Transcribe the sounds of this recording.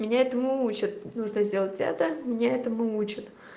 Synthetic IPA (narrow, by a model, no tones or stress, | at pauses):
mʲɪnʲaɛt̪əmɨut͡ɕɪt̪̚nuʐnəzʲdʲe̞lˠətʲa̰t̪əmʲɪnʲaɛt̪əmɨut͡ɕɪt̪